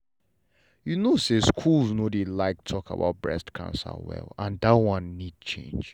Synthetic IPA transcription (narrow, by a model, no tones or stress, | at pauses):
junoseskʰulznodilaɪk̚tʰɔkʰa̰ba̰ʊt̚bɹɛ̰stkʰã̰nsə̰wɛ̰lãndatwʌ̃nːid̚t͡ʃʰḛ̃nd͡ʒ